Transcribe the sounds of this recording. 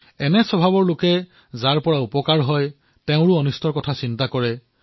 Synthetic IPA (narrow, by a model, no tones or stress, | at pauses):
ɛnɛsɔbʱabɔɹlokɛ | zaɹpɔɹaupɔkaɹɦɔj | teʊ̃ɹʊɔnustʰɔɹkɔtʰasintakɔɹɛ